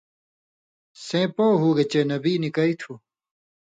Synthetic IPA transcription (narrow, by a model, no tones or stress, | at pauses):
sẽːpoːɦuːɡet͡ɕenɐbiːnikɐit̪ʰu